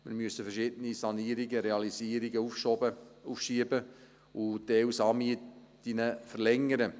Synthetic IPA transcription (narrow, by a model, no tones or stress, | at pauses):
mɪɾmyəsəfɛrʃɪdənisɑniːɾiɡəɾeɑlisiːəɾiɡəufʃɔbəufʃiəbə | ʊdɛwsɑːmiət | inəfərlɛŋəɾə